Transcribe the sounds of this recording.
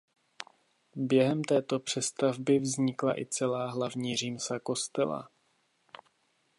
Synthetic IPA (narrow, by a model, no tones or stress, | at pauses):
bjɛɦɛmt̪ɛːt̪o̞pr̝̥ɛst̪avbɪvzɲɪkla̰ʔɪt͡sɛlaːɦlavɲiːriːmsako̞st̪ɛla̰